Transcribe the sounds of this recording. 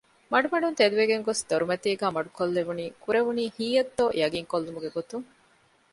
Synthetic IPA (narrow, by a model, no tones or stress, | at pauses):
mɐɖumɐɖunt̪ed̪uʋeɡeŋɡosd̪oɾumɐt̪iːɡæːmɐɖukolːeʋuniːkuɾeʋuniːhiːjɐt̪ːojɐɡiŋkolːumuɡeɡot̪uŋ